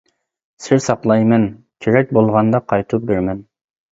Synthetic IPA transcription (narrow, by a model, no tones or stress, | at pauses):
sɪɾsɑqlˠɑjmɛn | kʲʰeɾɛk̚ʲbolˠʁɑnd̪ɑqʰɑjt̪ʰup̚beɾmɛn